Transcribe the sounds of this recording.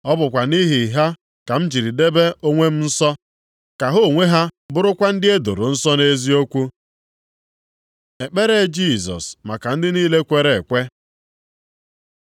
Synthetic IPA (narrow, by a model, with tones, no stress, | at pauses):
ɔ˦bʊ˨kʷa˨ni˦ɦi˨ɦa˦ | ka˨m̩˦d͡ʒi˨ɾi˨de˦be˦ʔo˦ŋʷe˦m̩˦n̩˦sɔ˦ | ka˨ɦo˦˨ŋʷe˦ɦa˦bʊ˦ɾʊ˦kʷa˦n̩˦dɪ˦e˦do˨ɾʊ˨n̩˦sɔ˦ne˦zi˦o˦kʷu˦ | e˨k͡pe˦ɾe˦d͡ʒi˦˨sɔ̰˨sma˨ka˨n̩˦dɪ˦niː˦le˦kʷe˨ɾe˨kʷe˦